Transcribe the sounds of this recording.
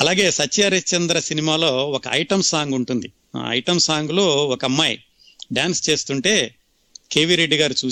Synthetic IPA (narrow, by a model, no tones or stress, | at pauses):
ɐlaːɡe̞ːsɐt͡ʃːɐɾɐt͡ʃɐnd̪ɾɐsinimaːlo̞ːɔkɐʔɐ̰jʈɐmsaːŋɡuɳʈund̪ḭ | ɐ̰jʈɐmsaːŋɡulo̞ːɔkɐmːɐj | ɖaːnst͡ʃe̞ːst̪uɳʈe̞ː | keːʋiɾe̞ɖːiɡaːɾut͡ʃuː